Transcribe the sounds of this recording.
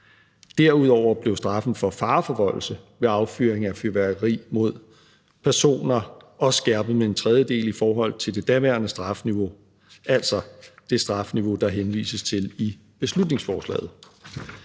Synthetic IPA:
d̥æɐ̰uð̞̰ˠɒʊ̰ɐb̥le̝ʊsd̥ʁɑ̈fn̩fɒ̽fɑ̈ːfɒ̽ʋɒ̰̽l̩səʋe̝ɑ̈ʊfy̰ːɐeŋæfyɐʋæɐɡʁḭːmo̝ð̞̰ˠ | pʰæɐso̝̰ːnɐɒ̽sɡ̥æɐ̰b̥əð̩ˠmee̝nt͡sʰʁɛð̞ˠjəd̥e̝̰ːlifɒːɦɒ̽l̰t͡sʰe̝ld̥e̝d̥æʋæɐnəsd̥ʁɑ̈fniʋo̝ | ʔæl̰sɒ̽d̥e̝sd̥ʁɑ̈fniʋo̝d̥ɑ̈ɦenʋḭːsəst͡sʰe̝li | b̥e̝slud̥ne̝ŋsfɒːslɛ̰ːð̩ˠ

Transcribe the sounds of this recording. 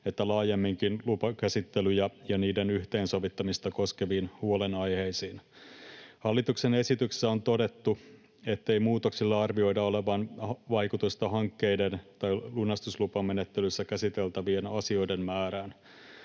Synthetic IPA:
e̞t̪ːælɑːjemːiŋkinlupɑkæsit̪ːelyjɑjɑniːdenyht̪e̞ːnso̞ʋit̪ːɑmist̪ɑko̞skeʋiːnhuolenɑjhe̞jsiːn | hɑlːit̪uksene̞sit̪ykssːæo̞nt̪o̞de̞t̪ːu | e̞t̪ːe̞ijmuːt̪oksilːɑɑrʋio̞jdɑole̞ʋɑnʋɑjkut̪ust̪ɑɦɑŋkːe̞jde̞nt̪ɑjlunɑst̪uslupɑmːenet̪ːelysːækæsit̪e̞lt̪æʋienɑsio̞jde̞mmæːɾæːn

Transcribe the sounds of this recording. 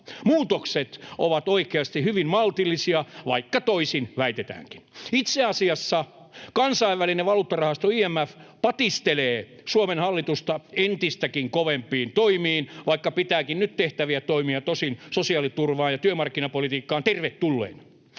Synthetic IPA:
muːt̪okset̪ʔo̰ʋɑt̪oikeɑst̪ihyʋimmɑlt̪ilːˑisiɑʋɑ̰ikːɑt̪oisinʋæit̪et̪æ̰ːŋki̥nit̪seɑsiɑsːɑ | kɑnsɑiʋʋælineʋɑluːt̪ːɑrɑhɑst̪oiːæmːæfpɑt̪ist̪eleː | suomenhɑlːit̪ust̪ɑent̪ist̪ækiŋkoʋempiːnt̪oimiːnʋɑikːɑpit̪æːkinnyt̪t̪eht̪æʋiæt̪oimiɑt̪osinsosiɑlit̪urʋɑːnjɑt̪yømɑrkːinɑpolit̪iːkːɑːnt̪erʋet̪tulːḛːn

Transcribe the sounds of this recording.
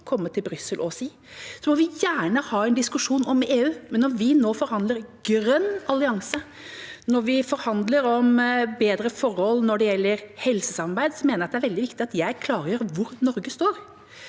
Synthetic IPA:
kʰɔmːət̪ʰɪlbɾʏsːəlʔɔsiː | sɔmɔʋɪjæːɳəhɑːɛɪnd̪ɪskʉʂuːnɔmeːʉːmɛnːɔʋɪnoːfɔɾhɑnd̪ləɾɡ̥ɾœnːɑlɪɑŋsə | nɔɾʋɪfɔɾhɑnd̪ləɾɔmbeːd̪ɾəfɔɾhɔlnɔɖɛjɛlːəɾhɛlsəsɑmɑɾbæɪd̪sɔmeːnəɾɑt̪d̪ɛæɾʋɛld̪ɪʋɪkt̪ɪɑt̪jæɪkʰlɑːɾəjøːɾʋʊɾnɔɾɡəst̪oːɾ

